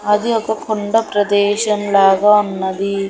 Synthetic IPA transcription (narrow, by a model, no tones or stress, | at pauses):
ɐd̪iɔkɐkʰoɳɖɐpɾɐd̪eːʃɐmlaːɡɐunːɐd̪i